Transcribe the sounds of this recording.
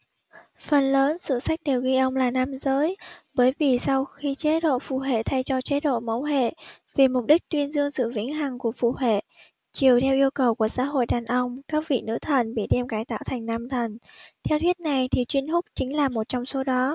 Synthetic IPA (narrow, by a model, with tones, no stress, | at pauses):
fə˨˩nləː˨˦nsɨ̰˧˨sa˦˥jk̟̚ɗe˨˩wɣi˧ʔə˧wŋ͡mlaː˨˩na˧mzəː˨˦jɓəː˨˦jvi˨˩sa˧wxi˧t͡ɕe˨˦ɗo̰˧˨fṵ˧˨ɦḛ˧˨t̪ʰa˧jt͡ɕɔ˧t͡ɕe˨˦˥ɗo̰˧˨mə˨˦wɦḛ˧˨ | vi˨˩mʊ˨˩k͡p̚ɗï˦˥k̚t̪wi˧ənzɨ˧əŋsɨ̰˧˨vï˨˦ŋɦa˨˩ŋku˧˩əfṵ˧˨hḛ˧˨ | t͡ɕi˨˩əwt̪ʰɛ˧wʔi˧əwkə˨˩wku˧˩əza̰ː˧˥ɦo̰˧˨jɗaː˨˩nʔə˧wŋ͡mkaː˦˥k̚vḭ˧˨nɨ̰˧˥t̪ʰə˨˩nɓḭ˧˨ɗɛ˧mɣaː˨˦jt̪a̰ː˧˨wt̪ʰa˨˩jŋ̟na˧mt̪ʰə˨˩nt̪ʰɛ˧wt̪ʰwi˦˥ət̚na˨˩jt̪ʰi˨˩t͡ɕwi˧ənfʊ˦˥k͡p̚t͡ɕï˨˦ŋ̟laː˨˩mo˨˩t̚t͡ɕɔ˧wŋ͡mso˨˦ɗɔ˨˦